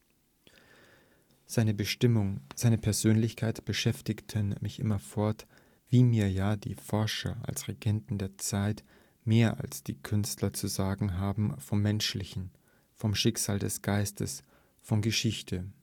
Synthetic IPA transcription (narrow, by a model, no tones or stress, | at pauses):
z̥aɪnəbəɪʊŋz̥aɪnəpʰɛɐzøːnlɪçkʰaɪtb̥əʃɛftɪktʰənmɪçʔɪ̰mɐfɔɐt | v̥iːmiːɐjaːdḭːfɔɐʃɐ̰ʔa̰lsʁeɡɛntn̩deːɐt͡saɪt | meːɐʔa̰lsd̥iːkʰʏnstlɐt͡suzaːɡŋ̩ɦaːbm̩fɔmːɛnʃlɪçn̩ | fɔmʃɪkz̥aːldɛsɡ̥aɪstʰə̰s | fɔnɡəʃɪçtʰə